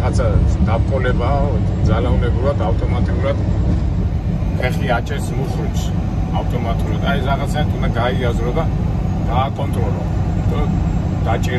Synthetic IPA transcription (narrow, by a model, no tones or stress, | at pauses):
at̪sʰad̪ap̚qʼɔlɛbad̪zalaumɛbɾuɾad̪awt̪ʼɔmat̪ʼiuɾad̪ | pʰɛχiat͡ʃʰɛsmuɾʃuɾt͡ʃs | awt̪ʼɔmat̪ʼuɾad̪aɛɾaʁat̪sʰat̪ʰund̪aɡaiazɾɔd̪a | ɡ̪̥aːkʼɔnt̪ʼɾɔlɔ̰d̪̥ɔ | d̪̥at͡ʃʼɛɾ